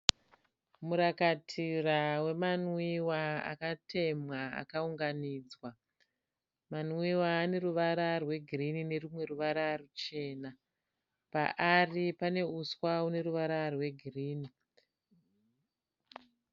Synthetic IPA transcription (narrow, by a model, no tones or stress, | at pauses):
muɾakatʰirawe̞manwiwaa̰katʰe̞mwaa̰kauŋɡaniːd͡zwa | manwiwaːne̞ruʋaɾarwe̞ɡʱirinine̞rumwe̞ruʋaɾarut͡ʃe̞ːna | pa̰ʔaripane̞uswaune̞ɾuʋaɾarwe̞ɡʱiriːni